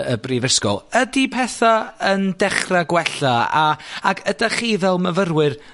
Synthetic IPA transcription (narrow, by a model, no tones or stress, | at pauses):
əbriːvəskɔ̰lˠədipʰɛθaəndɛχraɡwɛɬaaaɡʰədaχivɛlˠməvərwɪr